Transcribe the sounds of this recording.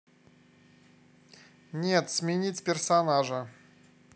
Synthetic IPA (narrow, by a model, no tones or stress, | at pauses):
nʲet̪smʲɪnʲitʲpʲɪrsɐnaʐə